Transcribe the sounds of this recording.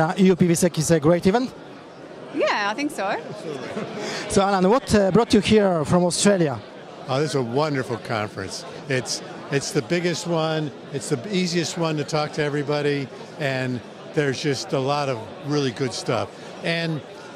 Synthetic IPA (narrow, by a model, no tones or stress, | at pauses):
ʔijupivisikɪzɨɡɹeɪɾivɛ̃nt | jæaɪθɪ̃ŋksoʊlsoʊalə̃nwʌtbɹɔt͡ʃɨhiɹfɹʌ̃mɔstɹ̥eɪlˠjə | oðɨsəwʌ̃ndə˞fl̩ˠkʰɑ̰̃ɱfɹɨ̰̃ns | ɪts | ɨtsðɨbɪɡɨst̚wʌ̃n | ɨtsðiiziɨst̚wʌ̃ntɨtʰɔk̚tʰɨɛvɹibɑɾi | ɨ̃n | ðə˞zd͡ʒʌstəlɔɾʌv | ɹɪlˠiɡʊd̥stʌ̰f | ɨ̃n